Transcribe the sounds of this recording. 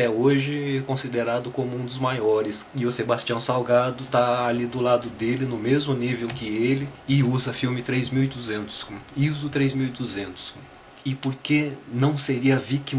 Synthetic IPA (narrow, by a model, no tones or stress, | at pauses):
ɛoʒɪɛkõsid̪eɾad̪ʊkõmʊũd̪ʊzmajɔɾɪsɪʊsebast͡ʃiɐ̃w̃sawɡad̪ʊt̪aalid̪ʊlad̪ʊd̪elɪnʊmezmʊnivewkɪelɪɪuzɐfiwmɪt̪ɾejzmiwɪd̪uzẽnt̪ʊ̥sizʊt̪ɾejzmiwid̪uzẽnt̪ʊ̥s | ɪpoɾkenɐ̃w̃seɾiɐviki